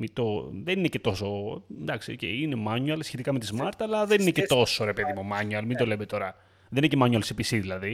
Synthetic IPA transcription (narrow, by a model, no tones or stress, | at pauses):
mit̪oðeninecet̪o̞so̞nd̪ɐksiocḛinemɐɲuɐlsçe̞t̪ikɐme̞t̪izmɐɾt̪ɐːlɐðe̞nine̞ce̞t̪o̞so̞ɾepeðimo̞mɐɲuɐlmind̪o̞le̞mt̪o̞ɾɐ | ðeninecemɐɲuɐlsepisiðilɐði